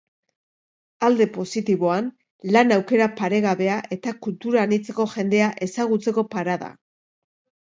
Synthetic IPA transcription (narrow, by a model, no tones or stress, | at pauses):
ald̪e̞po̞sit̪iβo̞an | lanawke̞ɾapaɾe̞ɣaβe̞aʔe̞t̪akult̪uɾaːnit͡se̞ko̞ʝe̞nd̪e̞aʔe̞saɣ̞ut͡se̞ko̞paɾaða̰